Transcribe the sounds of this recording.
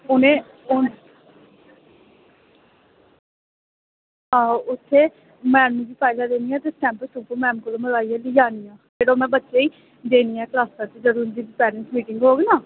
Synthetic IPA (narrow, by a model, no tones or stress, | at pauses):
ʊnẽː | ʊn | ɦãːʊt̪ʰːeː | mɛːnũd͡ʒiːpʰaːɪlaːd̪eːnijãːt̪esʈɛ̃ːmpəsuːpəmɛːmkoloːməɾaːiːaːlijaːniːãːd͡ʒeːɽoːmɛ̃ːbətːʃeːiː | d̪eːniːɛ̃ːklaːsaːt̪ed͡ʒəɾuːnd̪iːpɛːɾənsmiːʈɪŋɡɦoːɡenaː